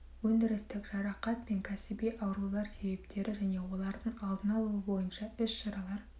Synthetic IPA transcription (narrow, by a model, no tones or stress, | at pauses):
wɵnd̪ɪɾɪst̪ɪkʒ̥ɑɾɑqɑt̪̚pe̞ŋkʲʰæsɪbijʔɑwɾulˠɑɾse̞be̞pt̪e̞ɾɪʒæne̞wo̞lˠɑɾd̪əɴɑlˠd̪ənɑlˠuwəbo̞jənʃɑʏsʃɑɾɑlˠɑɾ